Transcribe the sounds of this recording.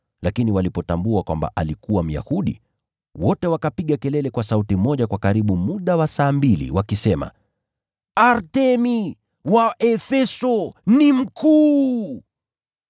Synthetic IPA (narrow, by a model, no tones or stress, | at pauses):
lakiniwalipɔtambuakwa̰mba̰ʔalikuwam̩ja̰huɗḭ | wɔtɛwakapiɠakɛlɛlɛkwasautimɔʄakwakaɾiɓumuɗawasaːmbilḭwakisɛma̰ | aɾtɛmi | waʔɛfɛsɔnim̩kʰuː